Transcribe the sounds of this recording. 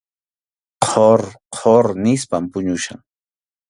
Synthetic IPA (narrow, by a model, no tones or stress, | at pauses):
qʰoɾqʰoɾnɪspampʊɲʊʃa̰ŋ